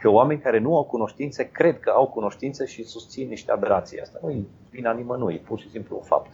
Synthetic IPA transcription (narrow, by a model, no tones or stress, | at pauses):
keoame̞nʲkaɾe̞nuawkuno̞ʃt̪int̪se̞kɾe̞d̪kəawkuno̞ʃt̪int̪seʃisust̪sinːiʃt̪ead̪eɾat̪sḭja̰st̪auj | vinanimənujpurʃisimpluofa̰p̚t̪